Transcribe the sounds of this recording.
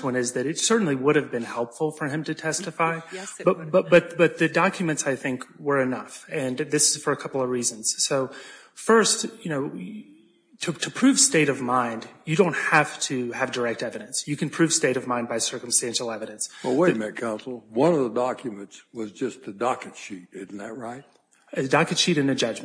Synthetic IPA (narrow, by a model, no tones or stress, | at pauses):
wʌ̃nɪzðɨɾɨtsɜ˞ʔn̩liwʊɾɨvbɨ̃nhɛlˠpfl̩ˠfə˞ɨ̃mtɨtʰɛstɨfaɪbbʌ̥ʌt̪̚b̥ʌt̪̚ðɨdɑkjɨmɨ̃ntsaɪθɪ̃ŋkwə˞ɨnʌfɨ̃nðɪsɨz̥fə˞ɨkʰʌpl̩ˠʌvɹizɨ̃nz̥soʊ | fɜ˞stjɨnoʊ | tʰɨtʰɨpʰɹ̥ʉv̥steɪɾʌvmãɪ̃ndjɨɾõʊ̃nt̚hæftʰɨɨvdə˞ɛk̚tɛvɨɾɨ̃nsjɨkɨ̃n̩pʰɹ̥ʉv̥steɪɾʌvmãɪ̃ndbaɪsɜ˞km̩stæ̃nʃl̩ˠɛvɨɾɨ̃nswəweɪt̚mɨt̚kʰãʊ̃nsl̩ˠwʌ̃nʌvðədɑkʰjɨmɨ̃ntswʌzd͡ʒʌst̪̚ðɨdɑkɨtʃit̚dɪzn̩ðɨ̰t̚ɹaɪt̚ | ɨdɑkɨtʃiɾɨ̃nðɨd͡ʒʌd͡ʒm